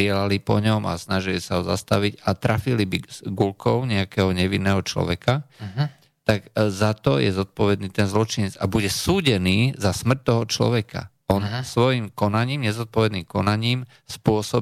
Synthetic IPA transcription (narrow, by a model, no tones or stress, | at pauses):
ɪɛlalipɔɲɔma̰snaʒilisaɦɔza̰st̪aʋiɟat̪ɾʔafilibiɡulkɔʊɲɛakɛɦɔɲɛʋinːɛːɦɔt͡ʃlɔ̰ʋɛka | t̪akzat̪ɔjɛzɔt̪̚pɔʋɛd̪niːt̪ɛnzlɔt͡ʃiɲɛd͡zabuɟɛsuːɟɛniːzasmr̩t̚t̪ɔɦɔt͡ʃlɔ̰ʋɛka̰ | ɔnsʋɔjimkɔnaɲiːmɲɛzɔt̪̚pɔʋɛd̪niːmkɔnaɲiːm | spʊɔsɔ